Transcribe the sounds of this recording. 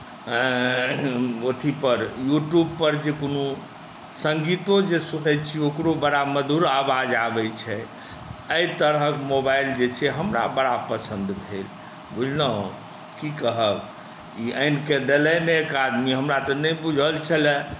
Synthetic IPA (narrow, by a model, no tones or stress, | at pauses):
ot̪ʰipəɾjuʈjubpəɾd͡ʒekono | səŋɡit̪õd͡ʒesuɦɛt͡ʃʰiokɾobəɽaməd̪uɾabad͡ʒabɛt͡ʃʰɛ | əit̪əɾɦəkmobajld͡ʒet͡ʃʰɛɦəmɾa̰bəɽapəsə̃nd̪bʱel | bud͡ʒʱnə̃ | kikəɦəb | iʔənked̪elɛneekad̪miɦəmɾat̪ɔnəjbud͡ʒʱəlt͡ʃʰəlɛ